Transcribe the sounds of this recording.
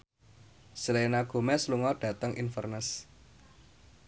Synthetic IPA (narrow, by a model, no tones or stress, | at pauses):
slenaɡ̥o̤mɛsluŋɔd̥ä̤t̪əŋʔinfərnəs